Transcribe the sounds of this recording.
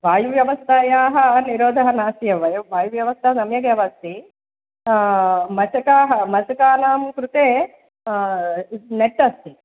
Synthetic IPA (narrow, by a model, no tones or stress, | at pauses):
ʋaːjuʋjɐʋɐst̪aːjaːɦɐniɾɔːd̪ʱɐɦɐnaːsijɐʋɐjɐʋaːjuʋjɐʋɐst̪ʰɐɦɐsɐmjɐkɐʋɐst̪i | mɐt͡ʃɐkaːɦɐmɐt͡ʃɐkaːnaːmkɾut̪eː | neʈːɐst̪i